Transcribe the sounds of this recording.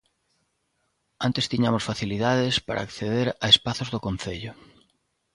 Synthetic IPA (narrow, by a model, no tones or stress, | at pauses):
ant̪est̪iɲamʊsfaθiliðaðespa̰ɾʔa̰ːkθeðeɾaespaθʊzðʊkon̟θeʎʊ